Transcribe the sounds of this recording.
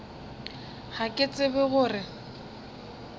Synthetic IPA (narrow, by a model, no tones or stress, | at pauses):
hakʼɪt͡sʼɪbɛɣʊːrɪ